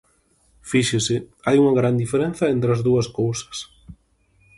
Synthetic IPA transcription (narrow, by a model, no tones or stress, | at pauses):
fiʃɪsɪajuŋɐɣɾand̪ifeɾen̟θɐent̪ɾɐzðuɐskowsɐ̥s